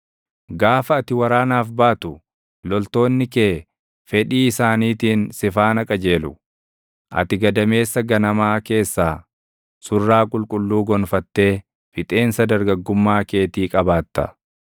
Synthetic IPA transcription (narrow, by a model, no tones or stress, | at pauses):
ɡaːfɐːt̪ɪwɐɾaːnaːfbaːt̪ʊ | lɔlt̪o̞ːnːɪkeː | fɛᶑiːɪsaːniːt̪iːnsɪfaːnɐkʼɐd͡ʒe̞ːlʊ̰ | ʔɐ̰t̪ɪɡɐd̪ɐme̞ːsːɐɡɐnɐmaːke̞ːsːaː | sʊrːaːkʼʊlkʼʊlːuːɡɔnfɐt̪ːe̞ː | fɪt̪ʼe̞ːnsɐd̪ɐɾɡɐɡːʊmːaːke̞ːt̪iːkʼɐbaːt̪ːɐ̰